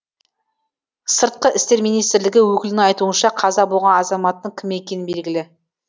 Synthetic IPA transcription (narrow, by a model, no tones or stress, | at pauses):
səɾt̪̚qəʔɪst̪e̞ɾmijnijst̪ɪɾlɪɡʲɪwɵkʲɪlɪnɪŋɑjt̪uənʃɑqʰɑzɑbolˠʁɑnɑzɑmɑt̪ːəɴkʲʰɪme̞kʲe̞nɪnbe̞lɡʲɪlɪ